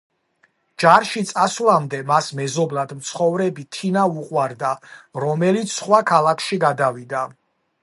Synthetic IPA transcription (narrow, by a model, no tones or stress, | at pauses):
d͡ʒaɾʃit̪sʼaslamd̪ɛmasmɛzɔblad̪mt̪sʰχɔvɾɛbit̪ʰinauqʼwaɾd̪aɾɔmɛlit̪sʰsχwakʰalakʰʃiɡad̪avid̪a